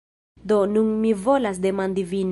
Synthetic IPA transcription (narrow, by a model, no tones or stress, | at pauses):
d̪onunmivo̞las̬d̪emand̪ivin